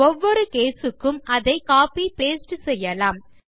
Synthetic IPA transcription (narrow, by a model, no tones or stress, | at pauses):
ɔʋːɔɾɯkeːsɯkːɯmɐðɐɪkaːpipeːsʈɯsɛjːɐlaːm